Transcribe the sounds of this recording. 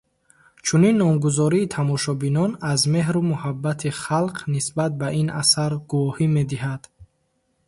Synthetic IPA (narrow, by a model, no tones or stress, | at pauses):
t͡ʃʰuninːɔmɡuzɔɾiːt̪ʰamɔʃɔbinɔnazme̞ɦɾumuhabːat̪ʰiχalqʰnisbat̪̚bainʔa̰saɾɡuvɔhime̞d̪iɦad̪̥